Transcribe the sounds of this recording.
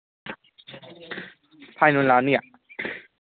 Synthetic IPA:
pʰaːjnunlaːnːiə

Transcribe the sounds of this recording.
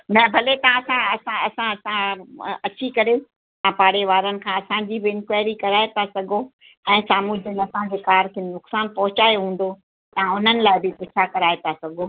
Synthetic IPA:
nɛ̃bʱɐlet̪ɐɐsãɐsãɐsãɐsãɐt͡ɕikɐɾe | t̪ãpaːɽ̤eʋaːɾənɪ̆kʰãːɐsãɲd͡ʑiːbɪɪ̃nkʋaːɪɾikɐɾaːet̪asɐɡʱo | ɛ̃ːsaːmuːd͡ʑənɐsãd͡ʑeːkaːɾkʰenʊksaːnpɐɦʊt͡ɕaːjɦũːn̆d̪o | t̪ɐãʊn̤ənɪ̆laːɪbɪpʊt͡ɕʰakɐɾaːet̪asɐɡʱo

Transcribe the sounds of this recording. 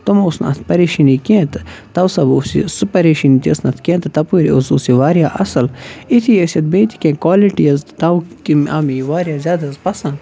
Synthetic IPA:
t̪omusnɐ̰t̪pɐɾeʃinikẽːt̪t̪ɐwsɐbusḭsupɐɾeʃinit̪ʲɐsnɐt̪ʰkẽːt̪t̪ɐpuɾiosusiʋaːɾjaːʔɐsɐlit̪ʰijɐsʲɐt̪̚beːt̪ʰi̥kẽːkwaːliʈijɐzt̪ɐwkimamiʋaːɾjaːzʲjaːd̪ɐzpɐsɐ̃n

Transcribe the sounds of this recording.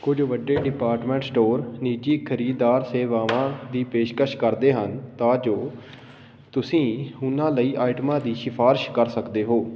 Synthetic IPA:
kʊd͡ʒʋəɖːeːɖɪpaːɾʈmɛ̃ːɳʈsʈoːɾniːd͡ʒiːkʰəɾiːd̪aːɾseːʋaːʋãːd̪iːpeːʃkəʃkəɾd̪eːɦənt̪ãːd͡ʒoː | t̪ʊsĩːʊnãːləiːʔaːɪʈmãːd̪iːʃɪpʰaːɾɪʃkəɾsəkd̪eːɦoː

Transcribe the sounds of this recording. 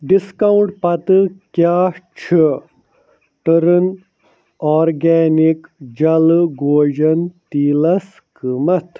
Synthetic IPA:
ɖiskawuɳʈpɐt̪ɨkjaːt͡ʃʰi | ʈəɾɨn | aːɾɡeːnikd͡ʒɐlɡoːʑɐnt̪iːlɐs | kimɐt̪ʰ

